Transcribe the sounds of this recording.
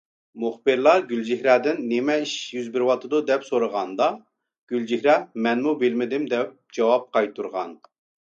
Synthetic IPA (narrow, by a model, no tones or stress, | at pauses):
mʊχbɨɾlˠɑɡʲyld͡ʒihɾɛd̪ɪnːemɛiʃjyzbɪɾwɑt̪ʰːɨd̪ud̪ɛpsoɾəʁɑnd̪ɑ | ɡ̥ʲyld͡ʒihɾɛmɛnmubɪlmɪd̪ɪmd̪ɛp̚d͡ʒɑwɑp̚qɑjt̪ʰuɾʁɑn